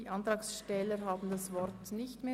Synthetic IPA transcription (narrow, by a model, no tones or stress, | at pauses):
iːʔɑntʁɑːksʃtɛləɦaːbn̩dasvɔɾtnɪçtmeː